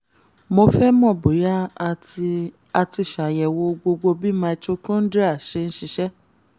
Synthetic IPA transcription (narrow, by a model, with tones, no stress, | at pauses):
mo˧fɛ˦mɔ̃˦˨bo˨ja˦˧ | a˧ti˧˨ʃa˨jɛ˨wo˧ɡ͡bo˧ɡ͡bo˧bi˦mã˧t͡ʃo˦kũ˦n̩˦da˦˨ʃe˧n̩˦ʃi˧ʃɛ˦